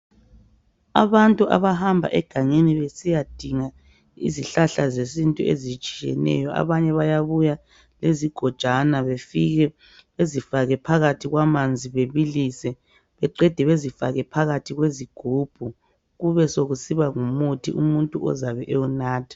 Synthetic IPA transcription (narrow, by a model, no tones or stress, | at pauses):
a̰βantʼuʔa̰βaɦambʱa̰ʔɛɡ̥ʱaɲeniβesijad̥ʱiŋa | ḭziɬaɬazesintʼuḛzit͡ʃʼijɛ̰nɛ̰jɔʔa̰βaɲɛβajaβuja | leziɡ̥ʱɔd̥ʒ̥ʱanaβefiɣɛ | βezifaɣɛpʰaɣatʰiɣwamand͡zʱiβeβilisɛ | βɛǃɛd̥ʱɛβezifaɣɛpʰaɣatʰiɣweziɡ̥ʱuːb̥ʱu | ɣuβɛsoɣusiβaŋumutʰiʔumuntʼuɔ̰zaβɛʔeunaːtʰi̥